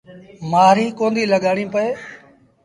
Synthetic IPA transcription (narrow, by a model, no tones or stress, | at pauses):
maːɾiːkõːnd̪iːləɠaːɽ̃ĩːpəeː